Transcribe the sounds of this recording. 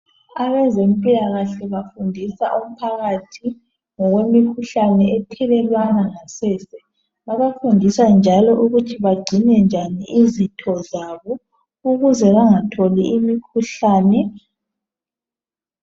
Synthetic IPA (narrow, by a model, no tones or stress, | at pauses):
aβɛzem̩pʼilaɣaɬɛβafundʱisaʔum̩pʰaɣatʰi | ŋɔɣwemikʰuɬanɛɛtʰɛlɛlwanaŋasɛːsɛ | βaβafundʱisand͡ʒʱalɔʔuɣutʰiβaɡ͡ǀʱinɛnd͡ʒʱaniʔizitʰɔzaβɔ | uɣuzɛβaŋatʰɔliimikʰuɬaːnɛ